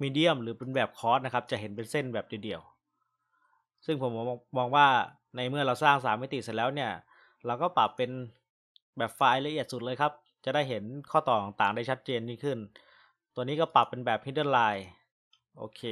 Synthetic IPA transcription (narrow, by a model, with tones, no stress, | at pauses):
miː˧di˥˩əmɾɯː˩˦pe˧nbɛː˨˩p̚kʰɔː˦˥t̪̚na˦˥kʰa˦˥p̚t͡ɕa˨˩ʔɦe˩˦npe˧nse˥˩nbɛː˨˩p̚ji˨˩di˧˩əw | sɯ˥˩ŋpʰo˩˦mɔː˧ɔː˧ŋwaː˥˩ | na˧jmɯ˥˩əɾa˧wsaː˥˩ŋsaː˩˦mːa˥˩jt̪i˨˩sa˨˩lɛː˦˥wni˥˩ɐə | ɾa˧wkɔː˥˩pa˨˩pːe˧n | bɛː˨˩p̚faː˧jla˧ʔi˨˩ət̪̚su˨˩t̪̚lɤː˧jkʰa˦˥p̚ | t͡ɕa˨˩ʔdaː˥˩jɦe˩˦nkʰɔː˥˩t̪ɔː˨˩t̪aː˨˩ŋt̪aː˨˩ŋda˥˩jt͡ɕʰa˦˥t̪̚t͡ɕeː˧nmiː˥˩kʰɯ˥˩n | t̪u˧nːiː˦˥kɔ˥˩pa˨˩pːe˧nbɛː˨˩p̚hi˦˥dɤː˥˩laː˧j | ʔo̰ː˧kʰeː˧